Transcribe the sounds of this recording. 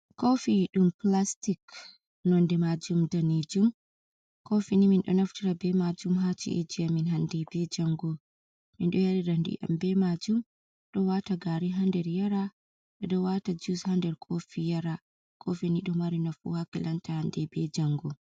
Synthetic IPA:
kofiɗumplastik | nɔndɛmad͡ʒumdaned͡ʒum | kofiniminɗɔ̰naftiɾabɛmad͡ʒumɦat͡ʃḭʔɛ̰d͡ʒiaminɦandɛbɛd͡ʒaŋɡɔ | minɗɔjaɾiɾandḭʔa̰mbɛmad͡ʒum | ɗɔwataɡaɾiɦandɛɾjaɾa | ɗɛdɔwatad͡ʒushandɛɾkʰofijaɾa | kʰofiniɗumaɾinafṵhakilantahandɛbɛd͡ʒaŋɡɔ

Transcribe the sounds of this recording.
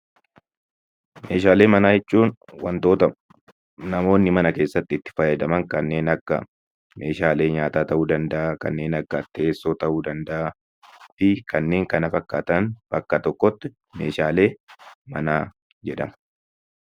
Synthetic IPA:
me̞̰ːʃaːle̞ːmɐnaːɛt͡ʃːuːnwɐ̰nt̪o̞ːt̪ɐ | nɐmo̞ːnːɪmɐnɐke̞ːsːɐt̪ːɪt̪ːɪ̥fɐjɐd̪ɐmɐŋkɐnːe̞ːnɐkːɐ̰ | me̞ːʃaːle̞ːɲaːt̪aːt̪ɐʔuːd̪ɐnd̪ɐʔakɐ̰nːe̞ːnɐkːɐt̪ːeːsːoːt̪ɐʔuːd̪ɐnd̪ɐʔa | fɪkɐnːe̞ːŋkɐnɐfɐkːaːt̪ɐnbɐkːɐt̪ɔkːɔt̪ːɪ | me̞̰ːʃaːle̞ːmɐ̰naː | d͡ʒɛᶑɐ̰mɐ̥

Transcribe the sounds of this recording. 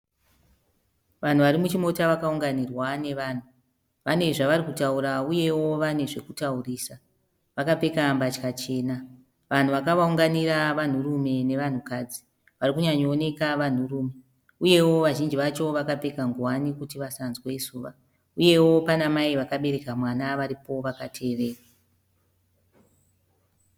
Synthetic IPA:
ʋan̤uʋaɾimut͡ʃimo̞taʋakauŋɡanirwane̞ʋaːn̤u | ʋane̞ʐaʋaɾikutauɾauje̞wo̞ʋane̞ʐe̞kutauriːsa | ʋakape̞kambat͡ʃkat͡ʃe̞ːna | ʋan̤uʋakaʋauŋɡaniraʋan̤urume̞ne̞ʋan̤ukaːd͡zi̥ | ʋarikuɲaɲoːne̞kaʋan̤uruːme̞ | uje̞wo̞ʋaʒind͡ʒiʋat͡ʃo̞ʋakape̞kaŋɡuwanikutiʋasanzwe̞isuːʋa | uje̞wo̞panamaiʋakaɓe̞ɾe̞kamwanaʋaɾipo̞ʋakatʰe̞ːre̞ːra

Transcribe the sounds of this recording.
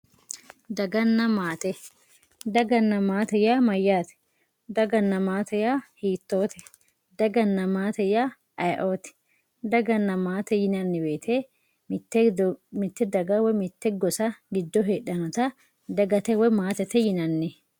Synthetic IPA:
d̪ɐɡɐnːɐmaːt̪ɛ | d̪ɐɡɐnːɐmaːt̪ɛjamɐjːaːt̪ɛ̥ | d̪ɐɡɐnːɐmaːt̪ɛjahiːt̪ːo̞ːt̪ʰɛ | d̪ɐɡɐnːɐmaːt̪ɛja | ʔɐjʔoːt̪ɛ̥ | d̪ɐɡɐnːɐmaːt̪ɛjɪnɐnːɪbe̞ːt̪ʰeː | t̪ːɛmɪt̪ːɛd̪ɐɡɐwɔmɪt̪ːɛɡɔsɐɡɪd̪ːɔɦeːɗɐnɐt̪ɐ | d̪ɐɡɐt̪ɛwɔmaːt̪ɛt̪ɛjɪnɐnːɛ

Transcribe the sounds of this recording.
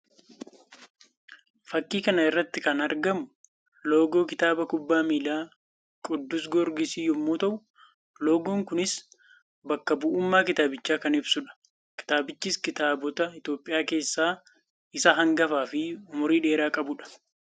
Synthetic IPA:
fɐkːiːkɐnɐɪrːɐt̪ːɪkɐnɐɾɡɐmʊ | lo̞ːɡoːkɪt̪aːbɐkʊbːaːmiːlaː | kʼʊd̪ːʊs̬ɡɔɾɡɪsiːjɔmːoːt̪ɐʔʊ | lo̞ːɡoːŋkʊnɪs | bɐkːɐbʊʔuːmːaːkɪt̪aːbɪt͡ʃːaːkɐnɪbsʊᶑɐ̥ | kɪ̥t̪aːbɪt͡ʃːiːskɪt̪aːbɔt̪ɐɪt̪jo̞ːpʼːɪjaːke̞ːsːaː | ɪsɐɦɐŋɡɐfaːfɪʊmʊɾiːᶑe̞ːɾaːkʼɐbʊᶑɐ̥

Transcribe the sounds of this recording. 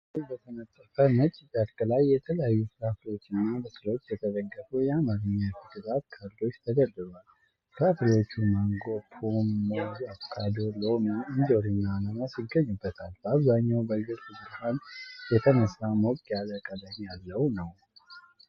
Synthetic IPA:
ɨlbət̪ʰənət̪ʼːəfəmət͡ʃʼibaɾkʼlajːɛt̪ʰələjajːuslafɾiwo̞t͡ʃːɪnːabɨsɨlo̞t͡ʃːjɛt̪ʰəzəɡːəfujɛamaɾəɲːafɨd̪ɨɾat̪kʰaɾd̪o̞t͡ʃːt̪ʰəɡəd̪ɨβal | kʰafɾiwo̞t͡ʃːuməŋɡo̞pʰomːoɡafkʰʼad̪olomɨnzo̞ɾɨnːanəmasiɡːəɲːubːət̪ʰalaβzaɲːawbəɡɨɾtɨsɨɾhanjɛt̪ʰənəsːamokʼjaləkʼəd̪amijalːəwnəw

